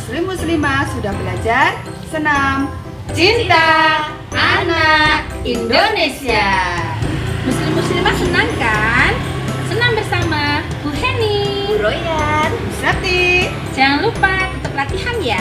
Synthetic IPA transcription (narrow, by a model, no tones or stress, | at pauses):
muslɪmːuslimasudahbəlad͡ʒar | sənam | t͡ʃint̪a | anak̚indonesia | muslɪmːuslimasənaŋkansənambərsama | buɦeni | ɾojarmisɾat̪i | d͡ʒaŋanlupat̪ət̪əplat̪ihanja